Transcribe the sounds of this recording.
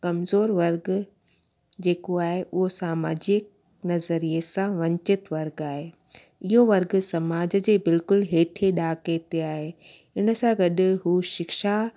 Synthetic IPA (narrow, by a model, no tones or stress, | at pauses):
kɐmzoːɾʋɐɾɡ | d͡ʑeːkoaːɦeʔʊɦosaːmaːd͡ʑɪk̚ | nɐzəɾiesãʋɐ̃ɲt͡ɕɪt̪ʋɐɾɡaːɦe | ɪɦoʋɐɾɡsɐmaːd͡ʑəd͡ʑeːbɪlkʊlɦeːʈʰeɗaːkeːt̪eaːɦe | ɪnə̆sãɡɐɗɪ̆ɦuːʃɪkʃa